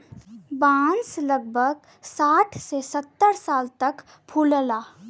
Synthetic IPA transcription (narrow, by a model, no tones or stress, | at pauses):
bãnsləɡbʱəɡ | saʈʰsesət̪ːəɾsaːlt̪ək | pʰuləla